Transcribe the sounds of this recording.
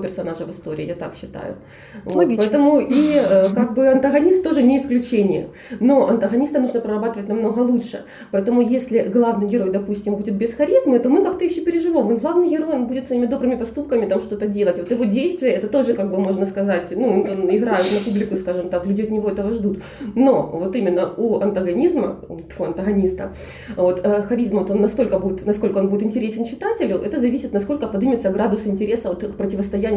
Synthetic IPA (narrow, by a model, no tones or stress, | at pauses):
pʲɪrsɐnaʐəvɨst̪o̞ɾʲɪ̰ːjat̪a̰kɕːɪt̪a̰jʊ̰ | vot̪pɐɛt̪əmʊʔiəkaɡ̚bɨɐnt̪ɐɣɐnʲist̪t̪o̞ʐɨnʲɪːsklʲʉt͡ɕenʲɪjə̰ | no̞ɐnt̪əɣɐnʲist̪əmnuʐnəpɾəɾɐbat̪əvətʲnɐmno̞ɣəlˠuʂɨ | pɐɛt̪əmʊjesʲlʲɪɡlˠavnɨjɡʲɪɾo̞jd̪ɐpusʲtʲɪmbudʲɪt̪̚bʲɪsxɐɾʲizmɨt̪o̞mɨkakt̪əjɪɕːopʲɪɾʲɪʐɨvomonɡlˠavnɨjɡʲɪɾo̞jonbudʲɪt̪svɐimʲɪd̪o̞bɾɨmʲɪpɐst̪up̚kəmʲɪt̪amʂt̪o̞t̪ədʲelˠətʲvo̞t̪jɪvo̞dʲejst̪vʲɪjəɛt̪ət̪o̞ʐɨkaɡ̚bɨmo̞ʐnəskɐzatʲnunonɪɡɾajɪt̪nɐpublʲɪkʊskaʐɨmt̪aklʲʉdʲɪɐt̪nʲɪvo̞ɛt̪əvəʐd̪ut̪ | no̞vo̞t̪imʲɪnːəuɐnt̪əɡɐnʲizmə | ɐnt̪əɣɐnʲist̪ə̰ | vo̞t̪əxɐɾʲizmot̪o̞nːɐst̪o̞lʲkəbudʲɪt̪nɐsko̞lʲkəobudɪt̪ɪnʲtʲɪɾʲesʲɪnt͡ɕːɪt̪atʲɪlʲʊʔɛt̪əzɐvʲisʲɪt̪nɐsko̞lʲkət̚pɐd̪ɨmʲɪt̪səɡɾad̪ʊsɪnʲtʲɪɾʲe̞səvot̪kpɾətʲɪvəst̪ɐjænʲɪ